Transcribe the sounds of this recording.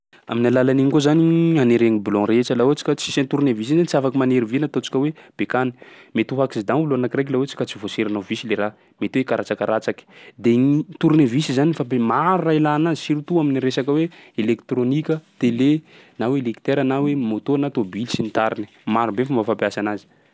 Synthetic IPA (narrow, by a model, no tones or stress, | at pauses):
a̰minalalaniɲikozanianeɾeŋibilɔ̃ɾet͡ʃalauat͡si̥kʲat͡sisent̪uɾunevis̬inzanit͡siafakimaneɾivinat̪ot͡si̥kʲəweb̥ekani̥met̪uɦakizid̪anuluanakiɾek̬lawet͡si̥kat͡sivoseɾanavisileɾa | met̪iwekaɾat͡sakaɾat͡saki̥d̪et̪uɾunevisizanifapemaɾurailanazisiɾut̪uaminiɾesakəweelekt̪ronikʲət̪ele | nawelekt̪eɾanawemot̪onat̪obilsint̪aɾini̥ | maɾubefambafapjasanazi̥